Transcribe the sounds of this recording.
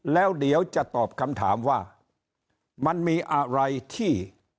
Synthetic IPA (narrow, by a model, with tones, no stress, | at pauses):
lɛː˦˥wdi˨˦əwt͡ɕa˨˩t̪ɔː˨˩p̚kʰa˧mt̪ʰaː˩˦mwaː˥˩ | ma˧nmiː˧ʔa˧ɾa˧jt̪ʰiː˥˩